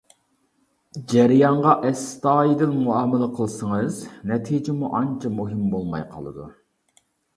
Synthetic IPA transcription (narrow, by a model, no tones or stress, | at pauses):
d͡ʒɛɾjɑɴʁɑʔɛst̪ɑːjid̪ɪnmuɑːməlˠəqʰəlˠsəŋɨznɛt̪ʰid͡ʒɪmuʔɑnt͡ʃʰɑmuɦɨmbolˠmɑ̰jqʰɑ̰lˠɨ̰d̪ṵ